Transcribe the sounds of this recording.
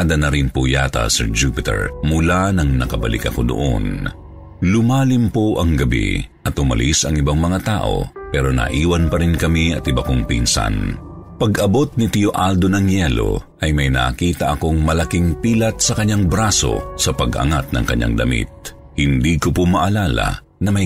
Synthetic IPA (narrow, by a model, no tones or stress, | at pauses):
ad̪ɐnɐɾɪnpojat̪ɐ̰sɛɹd͡ʒupɪt̪ɛ̰ɹmʊlanɐŋnɐkɐbɐlɪ̰kɐko̞d̪o̰ʔo̰n | lʊmaːlɪmpoʔɐŋɡɐbḭʔɐt̪ʊmɐ̰lisɐŋɪbaŋmɐŋat̪aːʔo̞̰pɛːɾo̞nɐ̰ʔiːwɐnpɐɾɪnkɐmiɐt̪ɪbakoŋpinsɐ̰npɐɡɐbo̞t̪̚nɪt̪ɪjoʔald̪o̞nɐŋjɛlo̞̰ʔɐjmɐjnɐːkiːt̪ɐʔɐko̞ŋmɐlɐkɪŋpiːlɐt̪̚sɐkɐɲːaŋbɾaːso̞̰sɐpɐɡʔɐ̰ŋat̪̚nɐ̰ŋkɐɲːa̰ŋd̪ɐmḭt̪̚ | hɪnd̪iːkopomɐʔɐlaːlɐ̰ | nɐmɐj